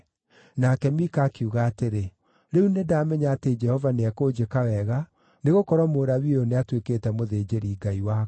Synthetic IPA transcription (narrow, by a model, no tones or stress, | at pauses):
nakɛmikaːkeuɣaːteɾe | ɾeunedaːmɛɲaːted͡ʒɛhɔvaneakoːd͡ʒekaɣɛɣa | neɣokɔɾwɔmoːɾaβioneatwekeːtɛmoðed͡ʒeɾiːɡaiwa